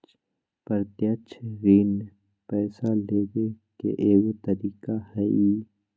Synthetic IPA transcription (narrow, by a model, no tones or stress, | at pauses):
t͡ʃ | pəɾt̪jət͡ʃʰɾiːn | pɛːsaleːɡe | kḛʔeːwt̪əɾiːkahɛi